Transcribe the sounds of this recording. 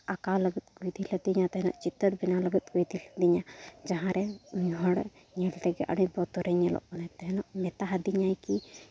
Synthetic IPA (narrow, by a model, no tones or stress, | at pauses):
akaləɡət̪̚kujd̪iləd̪iɲat̪aɦɛnɔ̰ʔt͡ʃit̪əɾbinaləɡət̪̚ˀkujd̪ilḁd̪iɲad͡ʒaɦãɾɛuɲɦɔɽ | ɲɛlʈ̪ɛɡɛʔa̰ɽibɔt̪ɔɾɛɲɛlɔ̰ʔmɔnɛt̪aɦɛnɔʔmɛt̪aɦad̪iɲajki